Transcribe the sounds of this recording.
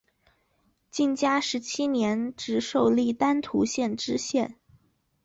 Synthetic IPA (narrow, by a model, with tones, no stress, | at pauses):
t͡ɕi˥˩nt͡ɕja˥ʂɻ̩˧˥t͡ɕʰi˥njɛ˧˥nʈ͡ʂɻ̩˧˥ʂo˥˧ʊli˥˩t̪a˥nt̪ʰu˧˥ɕjɛ˥˩nʈ͡ʂɻ̩˥ɕjɛ˥˩n